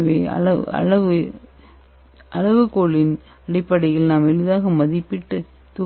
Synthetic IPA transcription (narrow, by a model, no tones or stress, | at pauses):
ʋeːɐ̰ɐ̰ɐ̰ɭɐʋɯ | ʔɐlɐʋɯkoːɭɪn | ɐɽɪpːɐɽɐɪɣɐɭnaːmɛɻɯðaːɣɐmɐðɪpːɪʈːɯ | t̪ʊ